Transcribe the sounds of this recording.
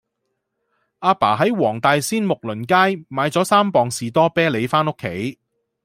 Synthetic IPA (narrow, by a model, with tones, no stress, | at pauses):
ʔaː˧pa̰ː˨˩ɦɐ˨˥jwɔː˨˩ŋt̪aː˨˧jsiː˥nmʊ˨k̚lɵ˨˩nkaː˥jmaː˨˧jt͡sɔː˨˥saː˥mpɔː˨ŋsiː˨t̪ɔː˥pɛː˥le˨˧jfaː˥nʊ˥kʰːe˨˥j